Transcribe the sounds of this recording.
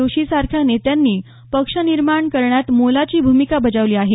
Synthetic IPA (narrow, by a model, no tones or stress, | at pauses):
oɕisaɾkʰjanet̪janːiː | pəkʂəniɾmaɳkəɾɳjat̪molat͡ɕiːbʱumikabəd͡zaʋliːaɦe